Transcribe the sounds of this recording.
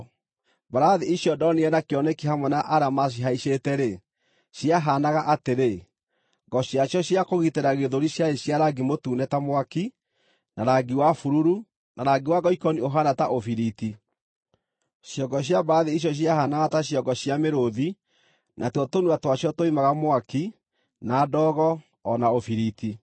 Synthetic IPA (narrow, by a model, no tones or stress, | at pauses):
baɾaðiiɕjɔdɔneɛnakeɔnɛkiɦamwɛnaʔaɾamas̬iɦaiʃetɛɾe | ɕjaɦanaɣaʔateɾe | ŋɡɔɕjaɕjɔɕjakoɣiteɾaɣeðoɾiɕjaeɕjaɾaɡimotuːnɛtamowaki | naɾaɡiwafuɾuɾu | naɾaɡiwaɡɔikɔnioɦanataʔofiɾiti | ʃjɔɡɔɕ̬jabaðeiɕ̬jɔɕ̬jahanaɣataɕjɔɡɔɕjameɾoði | nʔatwɔtonuatwaɕjɔtoimaɣamwaki | nadɔːɣɔː | naofiɾiti